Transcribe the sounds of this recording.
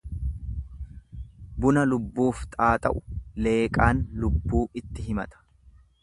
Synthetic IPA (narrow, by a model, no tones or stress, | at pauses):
bʊnɐlʊbːuːft̪ʼaːt̪ʼɐʔʊ̥le̞ːkʼaːnlʊbːuːɪt̪ːɪɦɪmɐ̰t̪ɐ̥